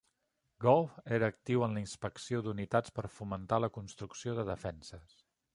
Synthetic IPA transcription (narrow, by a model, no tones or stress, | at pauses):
ɡɔlfeɾəːk̚t̪iwənləinspəksiod̪unit̪at͡spəɾfumənt̪aləkunst̪ɾuksioðəðəfɛnsəs